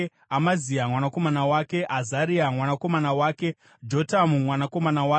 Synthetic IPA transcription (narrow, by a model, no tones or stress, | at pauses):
amaziamwanako̞manawaːke̞ʔazaɾiamwanako̞manawaːke̞ | d͡ʒo̞tamumwanako̞manawa